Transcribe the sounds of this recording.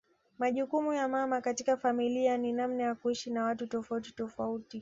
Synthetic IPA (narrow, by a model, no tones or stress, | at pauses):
maʄukumujamamakatikafamilianinam̩najakuiʃinawatutɔfauti̥tɔfauti